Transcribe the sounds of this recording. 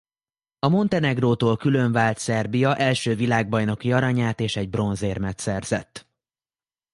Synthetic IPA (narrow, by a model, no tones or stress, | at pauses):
ɒmo̞nt̪ɛnɛɡroːt̪oːlkyløɱvaːlt̪sɛrbijɒʔɛlʃøːvilaːɡ̚bɒjno̞kijɒɾɒɲaːt̪eːʃɛɟbro̞nzeːrmɛt̪sɛrz̥ɛ̰t̪ː